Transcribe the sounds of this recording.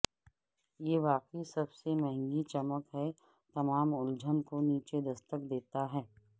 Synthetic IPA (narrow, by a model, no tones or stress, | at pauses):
jeːʋaːqisɐbsemɛɦɛ̃ŋɡit͡ʃɐməkɦɛ | t̪ɐmaːmʊld͡ʒʱənkoniːt͡ʃed̪ɐst̪əkd̪eːt̪aɦɛː